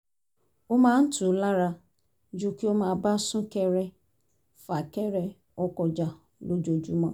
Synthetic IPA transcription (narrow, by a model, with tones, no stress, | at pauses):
o˦mãː˦n̩˦tu˨˦la˦ɾa˧ | d͡ʒu˦ki˦o˦mãː˦ba˦sũ˦kɛ˧ɾɛ˧ | fa˨kɛ˦ɾɛ˧ | ɔ˦kɔ˧˨d͡ʒa˨ | lo˦d͡ʒo˧d͡ʒu˦mã˦